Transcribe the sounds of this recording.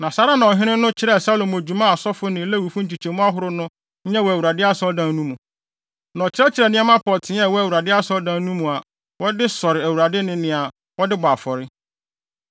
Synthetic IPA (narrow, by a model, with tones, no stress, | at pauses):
nã˨sa˦ɾa˦nã˨ɔ˨ɦɪ̃˦nɪ̃˦nʊ̃˦t͡ɕʰɪ˦ɾɛ˦˨sa˦lo˨m˨æ˨d͡ʑu˨mã˦a˨sɔ˦fʊ˦nɪ̃˨˦lɛ˦wi˨fʊ̃˦n̩˦t͡ɕi˨t͡ɕʰe˨mũ˦a˦ɦʊ˨ɾʊ˦nʊ̃˦ | ɲ̩˦ɲɛ̃˦wɔ˨æ˨u˨a˨dɪ˦a˦sɔ˦dã˦n˦nũ˦mũ˨ | nã˨t͡ɕʰɪ˦ɾɛ˦t͡ɕʰɪ˨ɾɛ˨nɪ̃˦ɛ˦mã˦pʰɔ˨tʰɪ̃˨˦ɲ˦ɛ˦˨wɔ˦æ˨wu˨ɾa˨dɪ˦a˦sɔ˦dã˦n˦ũ˦mũ˨a˨ | wɔ˦dɪ˦sɔ˨ɾɪ˨æ˨wu˨ɾa˨dɪ˦nɪ̃˦nɪ̃˨a˨ | wɔ˦dɪ˦baː˨fɔ˨ɾɪ˦